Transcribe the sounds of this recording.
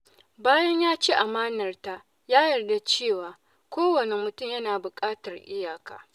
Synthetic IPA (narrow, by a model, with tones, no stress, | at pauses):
baː˦jɐ˦ɲjaː˦t͡ʃeː˦ʔa˨maː˦nɐ˨rta˦ | jaː˦jɐ˨rda˦t͡ʃeː˦˨waː˨ | kʷoː˦wɐ˨ne˨mʊ˨tʊ˦˨mjɐ˦naː˨bʊ˨kʼaː˦tɐ˨rʔɪ˦jaː˨ka̰ː˨